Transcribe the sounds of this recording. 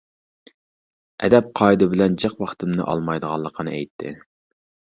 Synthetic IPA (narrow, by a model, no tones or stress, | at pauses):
ʔɛ̰d̪ɛp̚qʰɑid̪ɨbɪlɛnd͡ʒɨqwɑχt̪ɨmnɨ̰ʔɑ̰lˠmɑjd̪əʁɑnlˠːəqʰənɨɛjt̪ʰːɪ̰